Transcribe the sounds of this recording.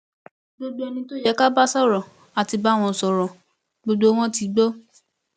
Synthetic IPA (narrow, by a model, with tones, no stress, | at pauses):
ɡ͡bo˦ɡ͡bo˦ɛ˧nĩ˧to˦jɛ˦ka˦ba˦sɔ˦˨ɾɔ̃˨ | a˨ti˧ba˦˨w̃ɔ̃˧˨sɔ˨ɾɔ̃˨ | ɡ͡bo˧ɡ͡bo˦w̃ɔ̃˦ti˨˦ɡ͡bo˦